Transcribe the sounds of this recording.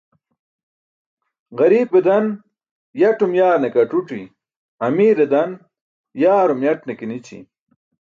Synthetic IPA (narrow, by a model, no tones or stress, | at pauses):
ɣɐɾiːped̪ɐn | jɐʈumjaːɾnekɐʈuʈḭ | ɐmiːɾed̪ɐn | jaːɾumjɐʈnekinit͡ɕḭ